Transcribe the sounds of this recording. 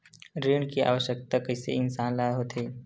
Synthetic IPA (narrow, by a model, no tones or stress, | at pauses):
ɾiɳkiʔa̰ːʋəʃjək̚t̪akəjsḛɪnsaːnlad̪ɦoːt̪ʰe